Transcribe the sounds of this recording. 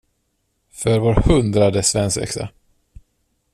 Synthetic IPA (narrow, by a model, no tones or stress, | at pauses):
fœɾvoːɾhɵnd̪ɾad̪əsvɛnsɛ̰ksa̰